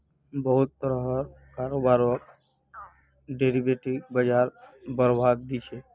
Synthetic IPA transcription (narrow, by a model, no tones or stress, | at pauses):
bəɦʊt̪ːəɾəɦɾ | kaɾobaɾok | ɖeɾibeʈikbəd͡ʒaɾbəɾbʱadd̪it͡ʃʰe